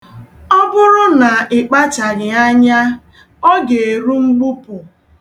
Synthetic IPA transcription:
ɔ˦bʊ˦ɾʊ˦na˨ɪ˨k͡pa˦t͡ʃa˨ɾɪ˨a˦ɲa˦ | ɔ˦ɡe˨e˨ɾu˦ŋ͡m̩˦ɡ͡bu˦pʊ˨

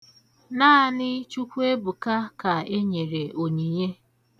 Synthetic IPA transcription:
naː˦nɪ˦t͡ʃu˦kʷu˦e˦bu˨ka˦ka˨e˦ɲe˨ɾe˨ʔo˨ɲi˨ɲe˦

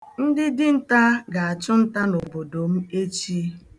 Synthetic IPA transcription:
n̩˦dɪ˦dɪ˦n̩˦ta˦ɡa˨a˨t͡ʃʊ˦n̩˦ta˦no˨bo˨do˨m̩˦e˦t͡ʃi˦

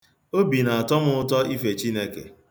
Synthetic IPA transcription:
o˦bi˨na˨a˨tɔ˦mʊ˦ʊ˦tɔ˦i˦fe˨t͡ʃi˦ne˦kḛ˨

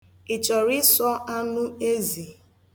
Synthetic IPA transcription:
i˨t͡ʃɔ˨ɾi˦sɔ˦ʔa˦nʊ˦e˦zi˨

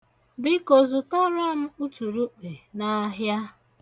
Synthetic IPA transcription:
bɪ˦ko˨zu˨tɔ˦ɾɔ˦m̩˦u˦tu˨ɾu˦k͡pe˨na˦ɦja˦

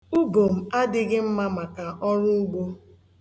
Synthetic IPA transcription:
u˦ɡo˨m̩˨a˦dɪ˦ɡɪ˦m̩˦ma˦ma˨ka˨ʔɔ˦ɾʊ˦u˦ɡ͡bo˦

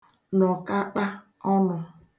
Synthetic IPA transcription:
nɔ˨ka˦k͡pa˦ | ɔ˦nʊ˨

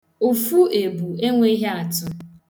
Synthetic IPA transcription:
u˨fu˦e˨bu˨e˦ŋʷe˦i˦ɦe˦a˨tʊ˨

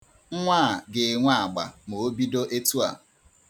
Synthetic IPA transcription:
ŋ̩˦ŋʷa˦˨ɡɪ˨ŋʷa˦a˨ɡ͡ba̰˨mo˨o˦bi˦do˦ʔe˦tu˦a̰˨

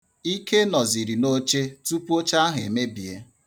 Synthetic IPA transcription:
i˦kʰe˦nɔ˨zi˨ɾi˨no˦t͡ʃe˦tu˦pu˦o˦t͡ʃa˦a˦ɦḛ˨me˦bi˨ḛ˦

